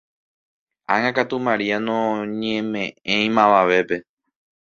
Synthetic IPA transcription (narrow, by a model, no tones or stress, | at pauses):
ãŋãkat̪umãɾianõɲẽmẽ̞ʔẽj̃mãʋaʋe̞pe̞